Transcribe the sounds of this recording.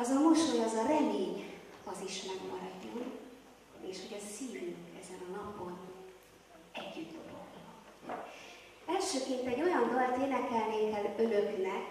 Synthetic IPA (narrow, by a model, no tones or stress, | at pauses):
ɒzɒmmoʃoɟɒzɒɾɛmeːɲɒziʃmɛɡmɒɾɒɟːon | eːʃho̞ɟɒsiːvyŋkɛ̰zɛnɒnɒpo̞n | ɛɟːyd̪ːo̰lo̰lhɒ | ɛlʃøːkeːpɛɟːo̞jɒnɡ̪ɒlt̪eːnɛkɛlneːkɛlø̞løknɛk